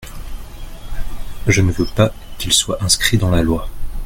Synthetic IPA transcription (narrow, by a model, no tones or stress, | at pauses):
ʒənəvøpakilswaʔɛ̃skχid̪ɑ̃lalwa